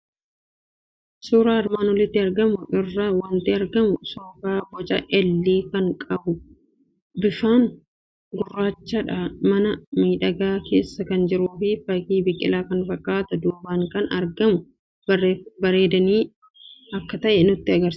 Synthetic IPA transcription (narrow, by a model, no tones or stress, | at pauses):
suːɾaːɐɾmaːnwɔlɪt̪ːɪɐɾɡɐmʊʔɪrːɐwɐnt̪eːɐɾɡɐmʊsoːkaːbɔt͡ʃʼɐ̰ʔɛlːiːkɐŋkʼɐbʊ | bɪfaːŋ | ɡʊrːaːt͡ʃːɐᶑɐmɐnɐmiːᶑɐɡaːke̞̰ːsːɐkɐnd͡ʒɪɾuːfɪfɐkiːbɪkʼːɪlaːkɐnfɐkʼːaːt̪ɐd̪uːbaːŋkɐnɐ̰ɾɡɐmʊ | bɐɾe̞ːd̪ɐniː | ɐkːɐt̪ɐʔɛnʊt̪ːɪɐɡɐɾs